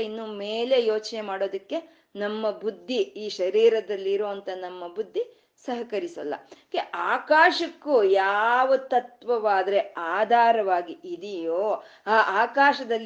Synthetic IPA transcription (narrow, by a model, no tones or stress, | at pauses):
inːuːmeːle̞joːt͡ʃnemaːɽo̞ːd̪ɐkːe̞ | nɐmːɐbud̪ʱːiiːʃɐɾiːɾɐd̪ɐlːiːɾoːɐnt̪ɐnɐmːɐbud̪ʱːi | sɐɦɐkɐɾisɐ̰lːɐ̰keʔaːkaːʃɐkːujaːʋɐt̪ɐt̪ʋɐʋaːd̪ɐɾe̞aːd̪ʱaːɾɐʋaːɡiʔid̪ijoːaːʔaːkaːʃɐd̪ɐlː